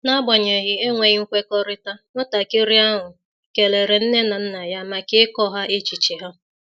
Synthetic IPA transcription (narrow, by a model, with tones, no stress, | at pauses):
na˦ba˨ɲe˨ɣɪ˦e˦ŋʷe˨ɣɪ˦ŋ̩˦kʷe˦kɔ˦ɾɪ˦ta˦ŋʊ˦ta˨kɪ˦ɾi˦a˦ŋʊ˨ | ke˨le˨ɾe˨n̩˦ne˦na˨n̩˦na˨ja˦ma˨kɪ˦kɔ˦ɦa˦ʔe˦t͡ʃi˨t͡ʃi˨ɦa˦